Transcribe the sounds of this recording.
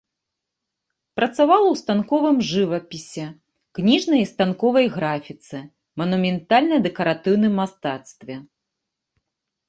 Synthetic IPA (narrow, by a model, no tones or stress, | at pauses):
pɾɐt̪savalˠɐwst̪ankɔvɨmʐɨvɐpʲisʲɛ | knʲiʐnɐjst̪ankɔvɐjɣɾafʲit̪sɨ | mɐnumʲɛnt̪alʲnɐd̪ɛkɐɾat̪ɨwnɨmːast̪at̪st̪vʲɛ